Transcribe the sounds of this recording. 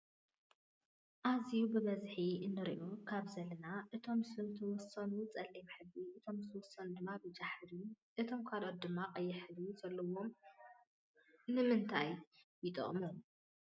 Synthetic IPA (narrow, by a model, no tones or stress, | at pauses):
ʔazijubɨβɐzħiɨnːɨɾḭʔukʰaβzɐlɐnaʔɨt̪ʰo̞msɨnt̪ʰɐwɔsonut͡sʼɐlːimħɨɡiʔɨt̪ʰo̞mɨt̪ʰwɔsond̪ɨmːabɨd͡ʒaħɾi | ʔɨt̪ʰo̞mkʰalot̪̚d̪ɨmːakʼɐjːɪħɨluzɐlːɐwom | nɨmɨnt̪ʰajjɪt̪ʼɨ̰χʼmɐlu